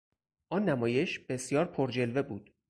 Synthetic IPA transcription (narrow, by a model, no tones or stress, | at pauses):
ʔɒːnːæmɒːje̞ʃbe̞sjɒːɾpʰoɾd͡ʒe̞lve̞buːd̪̥